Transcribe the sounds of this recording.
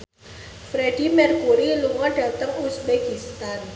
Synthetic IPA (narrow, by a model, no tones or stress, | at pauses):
fɾɛdimɛrkuɾiluŋaɖat̪əŋusbekist̪an